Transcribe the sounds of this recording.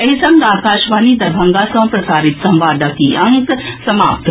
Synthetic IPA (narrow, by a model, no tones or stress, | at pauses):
ɐɦisɐŋɡaːkaːʃʋaːnid̪ɐɾbʱɐŋɡasɐ̃pɾɐsaːɾit̪sɐ̃mʋaːd̪akiʔɐŋɡksɐmaːpt̪